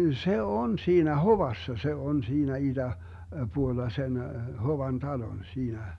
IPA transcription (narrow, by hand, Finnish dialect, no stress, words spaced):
se on siːnæ hoʋɑsːɑ se on siːnæ id̥æ puolːɑ sen hoʋɑn tɑlon siːnæ